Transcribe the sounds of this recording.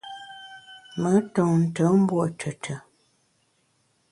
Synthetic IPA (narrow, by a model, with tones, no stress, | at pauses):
mə˨˦tɔ̃˨n̩˨tə˨˦m̩˦bwɔ˦ʔtʰə˨tʰə˨